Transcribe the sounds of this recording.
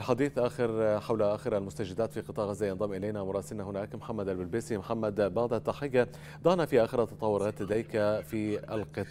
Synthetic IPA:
ʔalħad̪iːθʔaːxɪɾħawlaʔaːxɪɾalmʊst̪ad͡ʒɪd̪ːaːt̪fiːqɨt̪ˤɑːʔʕazːajɑnd̪ˤɑmːʔɪlajnamʊɾˤɑːsɪlnahʊnaːkmħamːad̪albɪlbiːsimʊħamːad̪bɑʕd̪ˤat̪ːaħɪjːa | d̪ˤɑhnafiʔaːxɪɾat̪ɑt̪ˤɑwːʊɾˤɑːt̪lad̪ajkafiːalqɨt̪ˤː

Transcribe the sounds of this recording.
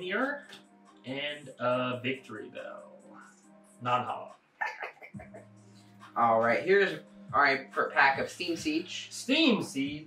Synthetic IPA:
njə˞ | ɨ̃nəvɪk̚tʰə˞ḭðo̰ʊ | nɑ̃nhɑ̰ | ʔɔlˠɹaɪt̚hiɹɨzɨaɪpʰə˞pʰækʌv̥stĩmsit͡ʃstĩmsi

